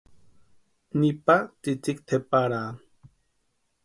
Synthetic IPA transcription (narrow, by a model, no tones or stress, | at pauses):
nipat͡sit͡sikt̪ʰepaɾaː